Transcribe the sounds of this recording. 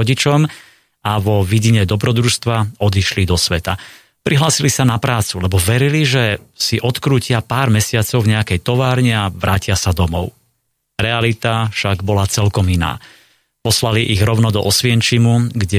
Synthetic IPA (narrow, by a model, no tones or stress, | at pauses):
ɔɟit͡ʃɔm | aʋɔʋiɟiɲɛd̪ɔbɾɔd̪ɾuʃst̪ʋaɔd̪iʃlid̪ɔsʋɛt̪a | pɾʔiɦlaːsilisanapɾaːt͡sulɛbɔʋɛɾiliʒɛsiʔɔt̪kɾuːcɪapaːɾmɛsɪat͡sɔʊɲɛakɛjt̪ɔʋaːɾɲɛaʋɾʔaːcɪasad̪ɔmɔ̰ʊ | ɾɛalit̪afʃaɡbɔlat͡sɛlkɔmina̰ː | pɔslaliʔiɣɾɔʊnɔd̪ɔʔɔsʋɪɛnt͡ʃimuɡɟɛ